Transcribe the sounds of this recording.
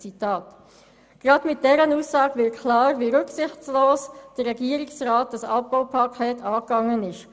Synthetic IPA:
t͡sitɑːt | ɡ̥ɾɑdmɪt̚d̥ɛɾənuːsːɑːɡʋɪkʰlɑːɾʋiɾʉksɪχt͡sloːsd̥ərːɛɡiːəɾɪksraːt̚d̥ɑsɑ̰p̚b̥aʊpʰɑkʰɛːtʰɑːkːɑŋːənɪʃ

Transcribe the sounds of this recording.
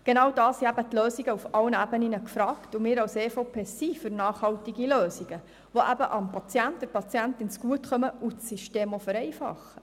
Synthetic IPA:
ɡ̥enɑwdɑːshiæbətløːsiɡəufɑlənæbəninəkfɾɑːktʊmɪːɾɑwseːfopʰeːsifʏɾnɑːχhɑltiɡiløːsiɡ̥ə | ʋoʔæbəʔɑmpɑt͡sjænt̚d̥əɾpɑt͡sjæntɪnsɡ̥uətχœməutːiʃteːmɔfəɾɛɪfɑ̰χːə

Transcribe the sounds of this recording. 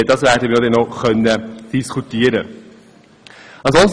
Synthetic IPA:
ədasvɛɾdəmiːdɛnɔχœnːəd̥iskutiːəɾə | anzɔns

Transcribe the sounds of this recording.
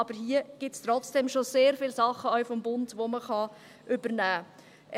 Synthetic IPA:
ɑb̥əɾɦiːəɡ̥ɪtstrɔt͡sd̥ɛmʃoseːɾfɪlsɑχːəœɥfɔmbʊndʋoməχɑ | ʔʏbəɾnæː

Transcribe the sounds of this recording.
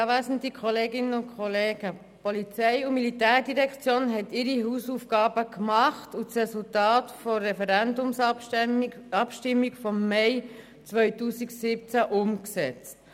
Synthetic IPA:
ʋæsən̩tikχɔleːɡɪnːəʊkʰχɔleːɡ̥ə | pɔlit͡sɛɪumilitæːɾdiɾɛkt͡sjoːnɦɛtɪɾiɦuːsufɡ̥ɑːbəkmɑχtut͡srɛsultɑːtfɔːɛfɛɾændʊms | ɑpʃtɪmːikfɔmːɛɪ | t͡sʋœʏtuːsiɡsɪp̚t͡sæʔʊmksɛt͡st

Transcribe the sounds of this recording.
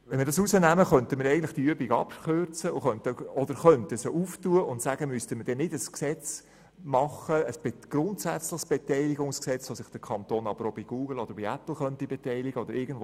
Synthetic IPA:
ʋɛnmɪəɾdɑsusənæməχœntəməɾɛɪɡn̩tlɪχtiyəbiɡɑ̰pχøɾt͡səʊχœntəɔd̥̪əɾχœntəsoʔuftuəʊntsæɡ̥əmystəməd̥ɛnɪdəsksɛt͡s | mɑχəːsb̥ɡ̥ɾʊntsæt͡slɪχsb̥ɛtɛɪliɡʊŋsksɛt͡sʋosɪχd̥əɾkʰɑnt̪oːnɑb̥əɾobiɡ̥uːɡ̥l̩ɔd̥̪əɾbiæpl̩ˠχœntibɛtɛɪliɡəɔd̥̪əɾʔɪɡən̩dvo

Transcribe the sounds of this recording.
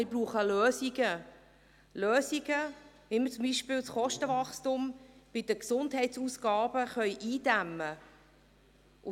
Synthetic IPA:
ɪbruːχəløːsiɡə | løːsiɡə | ʋimət͡sʊmbiːʃpɪːlsχɔʃtəvɑχstumb̥ɪd̥əksʊndhɛɪtsuːsɡ̥ɑːb̥əχœʏʔiːdæmə | ʔʊ

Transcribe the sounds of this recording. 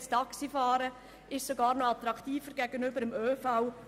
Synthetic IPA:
stɑksifɑːɾə | ʔɪʃsoɡɑːɾnoɑt̪ɾɑktiːfəɾɡ̥ɛɡənʏbəɾəmøːfaʊ

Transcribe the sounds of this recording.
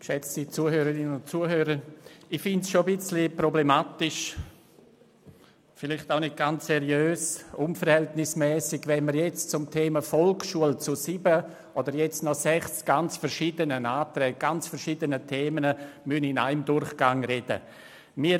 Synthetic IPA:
kʃɛt͡sdit͡suːəhøːɾəɾɪnənʊntt͡suəhøːɾəɪfɪntsʃobɪt͡slipɾoblemaːtɪʃ | fɪlɪχtaʊnɪt̚ɡ̥ant͡ssɛɾjøːsʊnfəɾhɛltnɪsmɛːsɪɡʋɛnməɾjɛt͡st͡sʊmtʰeːməfɔlksʃuəlt͡susiːbə | ʔodəɾjɛt͡snɔsɛχsɡ̥ant͡sfəɾʃiːdənənaːtɾɛːɡ̚ɡ̥ant͡sfəɾʃiːdənətʰeːmənəmynɪna̰ɪmdʊɾχɡ̥aŋɾɛd̥ə̰ | miː

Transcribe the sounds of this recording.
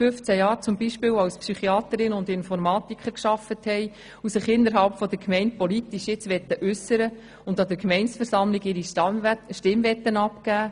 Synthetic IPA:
fʏft͡sæjɑːɾt͡sʊmbiʃpɪːwɑwspsyχiɑːt̪əɾɪnəʊnd̪ɪnfɔɾmɑːt̪ikχəɾkʃɑfəthɛɪ | usɪχɪnːəɾɦɑlpfɔd̪əɾkʰmɛɪnt̚pɔlitiʃjɪt͡sʋɛt̪ːəʔʉsːəɾə | ʊnd̪ɑd̪əɾkmɛɪnsfəɾsɑmlɪɡɪɾiʃtɪmvɛt̪ːənɑpkæː

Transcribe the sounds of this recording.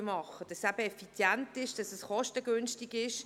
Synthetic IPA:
mɑχəd̥ɑsæb̥əɛfit͡sjæntɪʃd̥ɑsɛsχɔʃtəɡʏnstiɡɪʃ

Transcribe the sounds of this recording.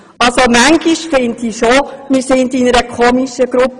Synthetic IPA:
ɑlsomæŋɡ̥iʃfɪntiʃomɪsɪndɪnəɾəkʰoːmiʃəɡ̥ɾup

